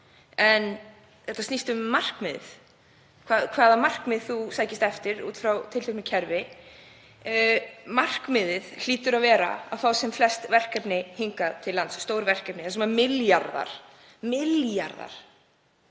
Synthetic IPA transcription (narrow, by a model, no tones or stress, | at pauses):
ɛn | θɛht̪asnist̪ʏmːar̥kmɪðð | kʰvaːðkʰv̥aːðamar̥kmɪðθusaːjcɪst̪ɛft̪ɪɾṵːt̪fɾawt̪ʰɪlt̪ʰːknɪcʰɛɾvɪ | mar̥kmɪðɪðl̥iːt̪ʏɾavɛːɾa̰a̰vθawsɛmflɛst̪vɛr̥kɛpnɪhiŋkat̪ʰɪlːant̪sːt̪oːwɾvɛr̥kɛpnɪθɛs̬mamɪljaɾða̰ɾ̥ | mɪljaɾða̰ɾ̥